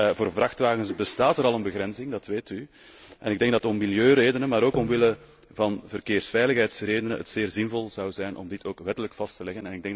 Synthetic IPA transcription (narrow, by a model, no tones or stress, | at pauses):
voːrvrɑxtʋaːɣənsbəstaːtəɾɑlˠənbəɣɾɛnzɪŋdɑtʋeːty | ɛnɪɡdɛŋɡ̚dɑtɔmːiljøːɾeːdənəmaːɾoːkɔmʋɪlə | vɑnvərkeːrsfɛjləxɦɛjtsreːdənəɦə̰tseːrzɪnvɔlˠzɑwzɛjnʔɔ̰mdɪtʰoːkʋɛtələkfɑstəlɛɣənɛnɪɡ̚dɛŋɡ